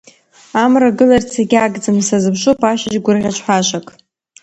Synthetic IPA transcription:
amraɡɨlart͡sʰeɡʲaɡd͡zɨmsazɨpʂʷʊpʰaʃad͡ʒɡʷʊrʁʲat͡ʃʷʰʼħʷaʃʷakʼ

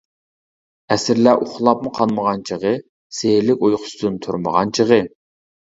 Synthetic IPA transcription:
ɛsɪɾlæʔʊχlˠɑpmʊqʰɑlˠməʁɑnt͡ʃʰəʁə | selɪkʲojχʊ̥sd̪ɨnt̪ʰuɾmə̰ʁɑnt͡ʃʰəʁə

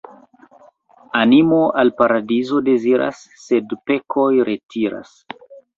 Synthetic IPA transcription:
animo̞ʔalpaɾadizo̞de̞ziɾʔa̰sːe̞dpe̞kʰojɾʔetʰiɾa̰s

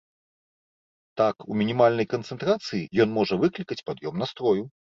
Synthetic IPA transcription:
t̪akumʲinʲimalʲnɐjkɐnt̪sɛnt̪ɾat̪sɨjijɔnmɔʐɐvɨklʲikɐt͡sʲpad̪jɔmnast̪ɾɔju

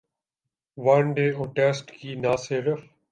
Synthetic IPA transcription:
ʋɐnɖeːoːʈeːsʈkiːnaːseːɾəf

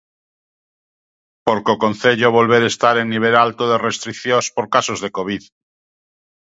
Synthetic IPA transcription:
poɾkokõn̟θeʎoβ̞o̞lβ̞eɾest̪aɾeŋnːiβ̞elalt̪oðerest̪ɾikθjospoɾkasozðekoβ̞ið

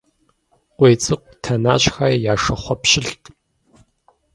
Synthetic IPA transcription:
qʷʼeːt͡sʼɨqʷtʰɐnaːɕxaːjaːʂɐχʷɔpɕɪɬtʰʼ

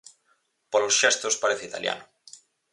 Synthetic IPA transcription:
polosʃest̪ospaɾeθeit̪a̰lja̰nʊ

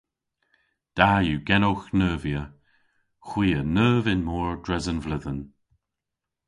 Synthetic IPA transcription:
d̪̥ajuːɡɛnoxnəːvjə | xwiːənəːvɪnmɔːɹdɹɛzənvlɪðən

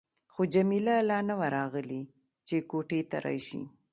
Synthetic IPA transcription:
xod͡ʒamilalɑnəwaɾɑɣəli | t͡ʃekoʈet̪a̰ɾɑ̰jʃḭ

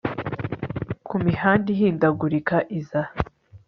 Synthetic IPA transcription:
kumihaːndihiːndaɡuɾikaʔiza

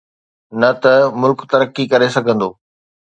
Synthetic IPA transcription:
nɐt̪ɐmʊlkt̪ɐɾəkːikɐɾesɐɡʱə̃nd̪oː

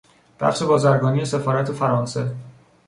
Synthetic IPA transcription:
b̪̥æ̰fse̞bɒːzæɾɡɒːnije̞se̞fɒːɾæt̪ʰefæɾɒːnse̞

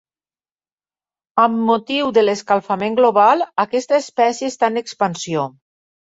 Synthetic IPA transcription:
əmːot̪iwðəleskalˠfameŋɡloβ̞alˠakɛst̪aespɛsjeːst̪anekspənsio

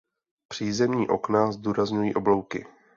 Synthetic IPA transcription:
pr̝̥iːzɛmɲiːʔo̞knazduːɾazɲujiːʔoblo̞wkɪ̰

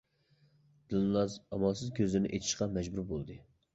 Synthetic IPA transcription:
d̪̥ɨnlˠɑzɑmɑlˠsɨzkʲʰøzlɪnɪ̰ʔet̪ʰɪ̥ʃqɑmɛd͡ʒbuɾbolˠd̪ɨ

